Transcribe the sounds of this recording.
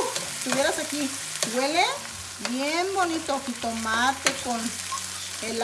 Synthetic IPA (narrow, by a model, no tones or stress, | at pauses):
t̪uβjeɾasaki | wele | jenmonit̪okit̪omat̪ekon | el